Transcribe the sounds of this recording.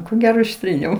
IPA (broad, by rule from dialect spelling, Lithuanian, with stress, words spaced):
koː ˈɡʲæːroː ɪʃʲˈtʲrʲiːnʲɛʊ